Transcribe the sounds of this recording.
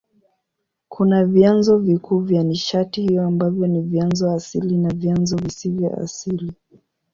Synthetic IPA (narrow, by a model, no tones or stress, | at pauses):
kʰunavjanzɔvikʰuːvjaniʃatihijɔambavjɔnivjanzɔasilinavjanzɔvisivjɔ̰a̰sili